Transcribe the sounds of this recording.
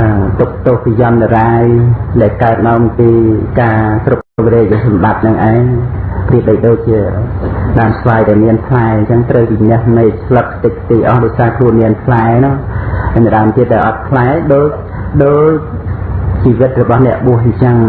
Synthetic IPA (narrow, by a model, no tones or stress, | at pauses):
t̪uk̚t̪oəhpijɑnɗaɗaːjɗaɛlkaət̪̚naəmpiːkaːt̪rup̚ːʋiɾɛːk̚ɗasɑmɓat̪̚nɨŋʔaɛɲpriəp̚ɗəjɗoːc̚t͡ɕiəɗaːmsʰʋaːjɗaɛlmiənt̪ʰlaɛɲt͡ɕəŋt̪rəwpinɛ̆əhmeːc̚t͡ɕʰlək̚ʰːt̪ɨk̚t̪iːʔɑhɗoɔc̚saːkʰluənmiənt̪ʰlaɛnɔ̆ŋɲəɗaəmt̪iət̪̚ɗaɛlʔɑt̪̚kʰlaɛɗoːc̚ | ɗoːc̚ | t͡ɕiːʋɨt̪̚rɔɓɑhnɛ̆əʔɓuəhɲt͡ɕəŋ